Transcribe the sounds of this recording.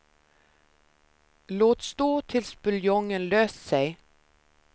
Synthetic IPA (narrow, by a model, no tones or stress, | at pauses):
loːt̪st̪oːt̪ʰɪlsbʉljɔŋənløːsseɪ